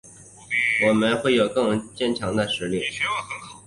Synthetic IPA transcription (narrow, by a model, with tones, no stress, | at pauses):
wɔ˨˩mə˦nxwe˥˩ɪjo˨˩ʊkɤ˥˧ŋt͡ɕjɛ˥˧˩nt͡ɕʰjɑ˧˥ŋd̪ə˧ʂɻ̩˧˥li˥˩˧